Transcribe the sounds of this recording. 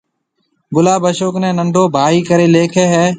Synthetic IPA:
ɡʊlaːbəʃoːknɛ̃ːnəɳɖʱoːbʱaːiːkəɾeːleːkʰeːɦɛː

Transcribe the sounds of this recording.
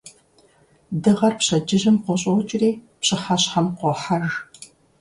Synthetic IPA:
dɨʁɐrpɕɐd͡ʒɪʒɪmqʷɔɕʼɐwt͡ʃʼɪreːpɕɪħɐɕħamqʷɔħɐʒ

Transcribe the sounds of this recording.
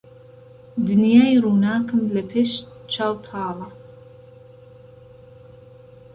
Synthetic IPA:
d̪ɨnjaːjruːnaːkɨmlɐpʰeʃt͡ʃʰaːwt̪ʰɑːlɐ

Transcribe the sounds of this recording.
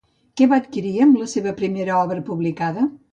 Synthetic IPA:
kɛβaːt̪kiɾiəmləseβəpɾimeɾəɔβɾəpuβlikaðə

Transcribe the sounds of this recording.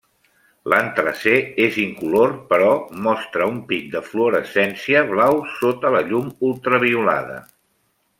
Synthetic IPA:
lant̪ɾəseeziŋkulorpəɾɔmɔst̪ɾəumpik̚d̪əfloɾəsɛnsiəβlawsot̪ələʎumulˠt̪ɾəβ̞iula̰ð̞ə̰

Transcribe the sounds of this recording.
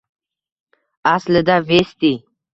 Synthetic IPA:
asləd̪avest̪i

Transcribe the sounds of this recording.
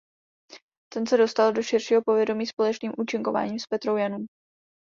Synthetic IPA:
t̪ɛnsɛdo̞st̪aldo̞ʃɪrʃiːɦo̞povjɛdo̞miːspo̞lɛt͡ʃniːmʔuːt͡ʃɪŋko̞va̰ːɲiːmspɛt̪ɾowjanum

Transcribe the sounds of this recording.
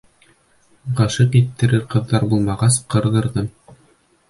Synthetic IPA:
ʁɤʃɤqit̪ːɘ̆ɾɘɾqɤ̆ðːɑɾbulˠmɑʁɑsqɤ̆ɾðɤ̆ɾðɤm

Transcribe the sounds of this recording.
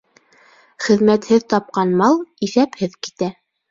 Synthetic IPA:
χɘ̆ðmæt̪hɘðt̪ɑp̚qɑnmɑlˠiθæphɘðki̥t̪æ

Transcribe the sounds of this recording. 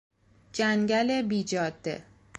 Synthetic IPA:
d͡ʒæŋɡælebiːd͡ʒɒːd̪ḛ

